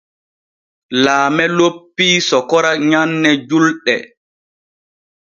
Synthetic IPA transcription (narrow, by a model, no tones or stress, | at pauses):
laːmɛlopːiːsɔkɔɾaɲanːɛd͡ʒulɗɛ̰